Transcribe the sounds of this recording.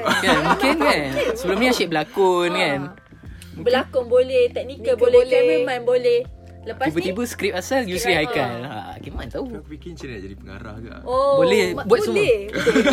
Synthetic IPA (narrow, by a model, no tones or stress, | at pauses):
kamuŋkɪnkansəbəlʊmniaʃiʔ̚bəlakʊnkan | bəlakʊŋbolɛht̪ɛk̚nikəbololɛmemãnbolɛh | ləpaisbət̪ibəskɾip̚asaljusɾiɦajkanaa̰kimant̪auikint͡ʃənad͡ʒadipəŋa̰ɾa̰hɡa̰ʔobolɛhbuat̪su